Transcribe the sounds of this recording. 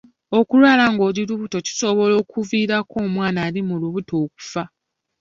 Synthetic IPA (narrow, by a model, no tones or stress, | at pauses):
o̞kulwaːlaŋɡo̞ːɾiluβuto̞ci̥so̞βo̞lo̞ːkʰuviːɾako̞ːmwaːnaːlimuluβuto̞ːk̚u̥fa